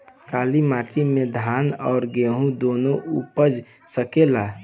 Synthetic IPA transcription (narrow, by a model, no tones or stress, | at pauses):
kaːlimaːʈʰimẽd̪ʱaːnɔːɾɡeːɦũd̪oːnoʔṵpəd͡ʒ | səkela